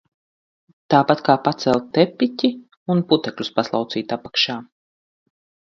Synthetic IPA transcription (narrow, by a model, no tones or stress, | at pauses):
t̪aːpat̪kaːpat̪sɛlʲˠtt̪ɛpːitʲi | unput̪ɛklʲuspaslˠa̰wt̪siːt̪apḁkʃaː